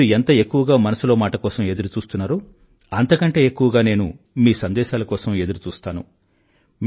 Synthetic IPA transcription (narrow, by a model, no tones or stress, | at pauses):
ɾuent̪ɐe̞kːuʋɐɡaːmɐnɐsulo̞ːmaːʈɐkɔːsɐme̞d̪uɾut͡ʃuːst̪unːaːɾu | ɐnt̪ɐkɐɳʈe̞ːe̞kːuʋɐɡaːne̞ːnṵ | miːsɐnd̪ɛːʃaːlɐkɔːsɐme̞d̪uɾut͡ʃuːst̪aːnṵ | m